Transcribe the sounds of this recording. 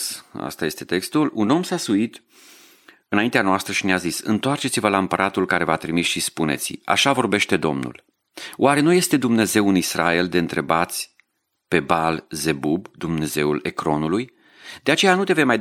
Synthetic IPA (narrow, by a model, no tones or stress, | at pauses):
sa̰st̪aje̞st̪e̞t̪e̞kst̪uluno̞msasuit̪ | ɨnaint̪eanoast̪ɾəʃineazisɨ̰nt̪oart͡ʃe̞t̪sivəlaɨmpəɾʔat̪ulkaɾe̞vat̪ɾimisʃispune̞̰t̪sʲia̰ʃavo̞rbe̞ʃt̪e̞d̪o̞̰mnṵl | waɾe̞nuje̞st̪e̞d̪umne̞ze̞wɨnisɾa̰e̞ld̪e̞ɨnt̪ɾe̞bat̪sʲ | pe̞balze̞bubd̪umne̞ze̞ule̞kɾo̞nuluj | d̪eat͡ʃe̞janut̪e̞ve̞jmaj